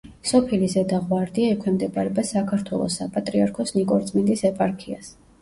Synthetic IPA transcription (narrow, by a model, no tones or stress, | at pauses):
sɔpʰilizɛd̪aʁwaɾd̪iaɛkʰwɛmd̪ɛbʼaɾɛbasakʰaɾt̪ʰwɛlˠɔ̰sːapʼat̪ʼɾiaɾkʰɔsnikʼɔɾt̪zʼmind̪isɛpʼaɾkʰias